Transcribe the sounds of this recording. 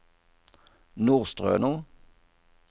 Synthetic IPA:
nuːʁst̪ʁø̰ːnu

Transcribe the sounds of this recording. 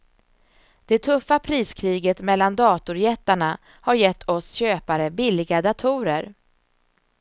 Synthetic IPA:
d̪̥ɛt̪ʰɵfːapʰɾiːskʰɾiːɡət̪mɛlːand̪ɑːt̪ʊɾjɛt̪ːaɳa | haɾjɛt̪ːɔsɕøːpaɾəbɪlːɪɡad̪at̪ʰuːɾəɾ

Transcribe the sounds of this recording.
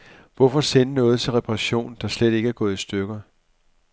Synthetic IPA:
ʋɒfɒ̽senənɔ̽ːð̞̩ˠt͡sʰe̝lʁɛpʰɑʁɑ̈ɕo̝̰ːnd̥ɑ̈sled̥e̝ɡ̥əæɐɡ̥ɔ̽ːð̞̩ˠisd̥øɡ̥ɐ

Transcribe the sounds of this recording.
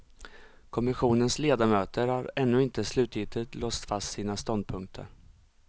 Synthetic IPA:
kʰɔmɪɧuːnənsleːd̪amøːt̪ʰəɾhaɾɛnːɵɪnt̪əslʉ̟ːt̪jɪt̪ət̪lɔːst̪fast̪siːnast̪ɔnd̪̚pʰɵŋk̚t̪ʰə̰ɾ

